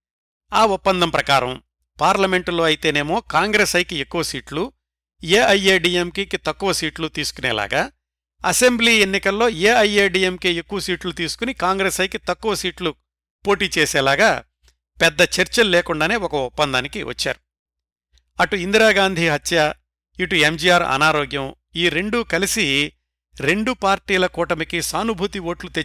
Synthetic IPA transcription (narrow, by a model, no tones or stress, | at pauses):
aːupːɐnd̪ɐmpɾɐkaːɾɐm | paːɾlɐme̞ɳʈlo̞ːɐjit̪e̞ːne̞ːmo̞ːkaːŋɡɾeːsɐjkiekːuʋɐsiːʈlu | jeːʔɐjeːɖiːemkiːkit̪ɐkːuʋɐsiːʈlut̪iːsu̥kunɛ̰ːla̰ːɡaː | ɐse̞mbliːe̞nːikɐlːo̞ːeːɐjeːɖiːemkeekːuʋɐsiːʈlut̪iːsu̥kunikaːŋɡɾeːsɐjkit̪ɐkːuʋɐsiːʈlu | po̞ːʈiːt͡ʃeːsɛːlaːɡaː | pɛd̪ːɐt͡ʃeɾt͡ʃɐlleːkuɳɖaːne̞ːɔkɐɔpːɐnd̪aːnikḭʋʔɐ̰t͡ʃːa̰ːɾu | ɐʈuind̪ɾaːɡaːnd̪ʱiɦɐt̪ːja | iʈuemd͡ʒiaːɾɐ̰naːɾoːɡjɐm | iːɾe̞ɳɖukɐlisi | ɾe̞ɳɖupaːɾʈiːlɐkuːʈɐmikisaːnubʱut̪iʋo̞ːʈlut̪e